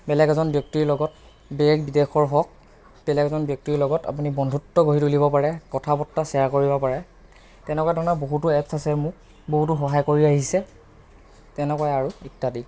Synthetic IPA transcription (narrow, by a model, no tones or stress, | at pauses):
bɛlɛɡɛzɔnbjɔk̚tiɹlɔɡɔt̚ | bɛɹɛɡbidexɔɹɦɔk̚ | b̥ɛlɛɡɛzɔnbjɔk̚tilɔɡɔta̰punibɔndʱutːɔɡoɦitulibɔpaɹɛkɔtʰapɔtːasɛakoɹibɔpaɹɛ | tɛnɛkwadʱɔnaboɦutuɛpsasɛmʊk̚ | boɦut̬uxɔɦajkoɹiaɦisɛ | tɛnɛkwajaɹuitːadi